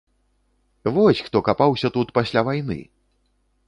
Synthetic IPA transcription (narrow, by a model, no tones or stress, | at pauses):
vɔsʲxt̪ɔkapawsʲɐt̪ut̪pasʲlʲavajnɨ̰